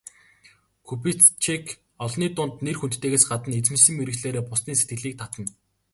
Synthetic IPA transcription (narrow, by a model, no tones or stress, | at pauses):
kʰupit͡s̪t͡ɕʰekʰ | ɔɮniːt̪ʊnt̪nerxunt̪t̪ːeːɣeːsɢat̪ə̆net͡sɘ̆msɘ̆mːeɾɘ̆ɣɮeːɾeːpʊsniːse̥t̪̚ɡɘ̆ɮiːk̚t̪ʰat̪ə̆n